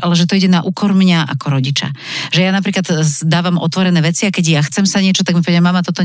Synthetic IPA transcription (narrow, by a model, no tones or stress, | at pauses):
ʔalɛʒɛt̪ɔiɟɛnaʔuːkɔɾmɲaʔa̰kɔɾɔɟit͡ʃa̰ʒɛjanap̬ɾiːklad̪d̪aːʋamʔɔ̰t̪ʋɔɾɛnɛːʋɛt͡siakɛɟjaxt͡sɛmsaɲɪɛt͡ʃɔt̪aɡmipɔʋɛdmːamat̪ɔt̪ɔ